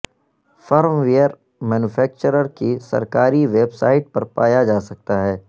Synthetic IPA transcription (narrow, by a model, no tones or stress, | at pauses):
fɔːɾmʋijəɾ | mɛːnʊfʰɛːk̚t͡ʃəɾəɾkisɐ̰ɾkaːɾiʋeːbsaːɪʈ̚pɐɾpaːjad͡ʒaːsɐk̚t̪aɦɛː